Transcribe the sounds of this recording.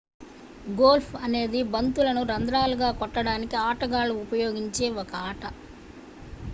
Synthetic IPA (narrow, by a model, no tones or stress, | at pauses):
ɡoːlpʰɐne̞ːd̪ibɐnt̪ulɐnuɾɐnd̪ɾaːluɡaːkɔʈːɐɽaːnikiaːʈɐɡaːluːpɐjo̞ːɡiɲt͡ʃe̞ːɔkɐaːʈɐ